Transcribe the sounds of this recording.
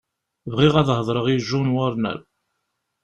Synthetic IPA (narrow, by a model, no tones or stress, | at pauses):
vʁiʁæðhəðˤɾˤəʁiʒunwəɾˤnæ̰ɾ